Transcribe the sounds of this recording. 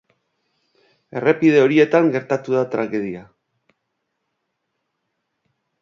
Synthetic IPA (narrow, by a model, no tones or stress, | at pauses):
e̞re̞pið̞e̞o̞ɾie̞t̪aŋɡe̞ɾt̪at̪uðat̪ɾaɣe̞ðia